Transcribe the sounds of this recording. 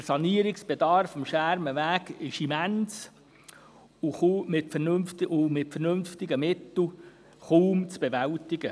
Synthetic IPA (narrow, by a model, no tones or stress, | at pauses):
əsɑniəɾɪksb̥edɑɾfɔmʃæɾməʋæːɡɪʃimæns | ʊχuːmɪtfənɵnft̪ɪʊmɪtfərnɵnftɪɡəmɪt̪l̩ˠ | χuːmt͡sb̥eʋæltɪɡə